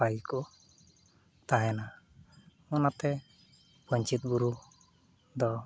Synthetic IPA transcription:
paikɔ | t̪aɦɛna | ɔnat̪ɛ | pɔɲt͡ʃit̪̚ɡuɾu | d̪ɔ

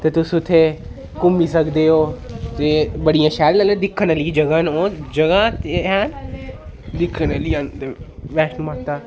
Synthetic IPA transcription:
t̪ɐt̪ʊsut̪ʰe | kʊmisɐɡd̪eɦoːd͡ʒeːbɐɽijãʃaːɾlɐləd̪ɪkʰənɐlid͡ʒɐɡanod͡ʒɐɡat̪eɦaːn | d̪ɪkʰənɐliãnt̪eʋɛːʃnumaːt̪aː

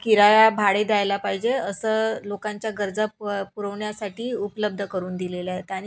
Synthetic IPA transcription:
kiɾajabʱaɽed̪ajlapaɦid͡ʑeəsəlokãɲt͡ɕjaɡəɾd͡zapuɾəʋɳjasaʈʰiːupləb̚d̪ʱəkəɾuːnd̪ilelaɦet̪aɽ̃i

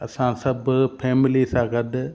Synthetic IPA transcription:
ɐsãːsɐbpʰeːmɪlisãːɡɐɖ

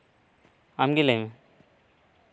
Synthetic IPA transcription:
amɡilem

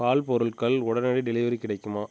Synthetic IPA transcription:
kaːlpɔɾɯɭkɐɭʊɽɐnɐɽiɖɪlɪʋɐɾikɪɽɐɪkːɯmaː

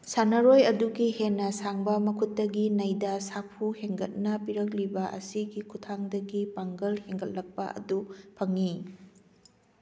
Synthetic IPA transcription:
sanɐɾojɐduɡihenːɐsaŋbɐmɐkʰut̚ːɐɡinɐjdɐsapʰuheŋɡɐt̚nɐpiɾɐk̚libɐʔɐ̰siɡikʰutʰaŋdɐɡipaŋɡɐlheŋɡɐt̚lɐk̚pɐ̰ʔɐ̰dupʰɐŋːi

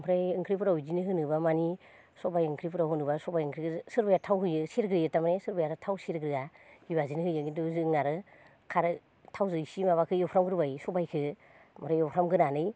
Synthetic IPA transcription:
pʰɾajɯŋkʰɾipʰɯɾawizinɯɦɯnɯbamani | sɔbajɯŋkʰɾipʰɯɾawɦɯnɯbasɔbajɯŋkʰɾikʰɯsɯɾbajatʰawɦɯjɯseɾɡɾɯjɯtamnesɯɾbajaɾɯtʰawseɾɡɾɯahibazinɯhɯjɯŋintuzɯŋaɾɯ | kʰaɾɯ | tʰawzɯsimaβakʰɯjɔwpʰɾamɡɯɾɯbajsɔbajkʰɯ | mɾajɔpʰɾamɡɯnanɯj

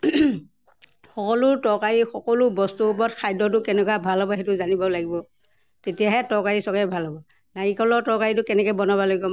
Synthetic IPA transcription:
xɔkɔlʊɹtɔkaɹixɔkɔlʊbɔstuːpɔtkʰajdɔt̬ʊkɛnɛk̬wabʱalɦɔbɔɦɛtʊzanibɔlaɡibɔ | tetijaɦɛtɔkaɹisɔkɛbʱalɦɔbɔ | najikɔlɔtɔkaɹitʊkɛnɛkɔbɔnabaloɡibɔ

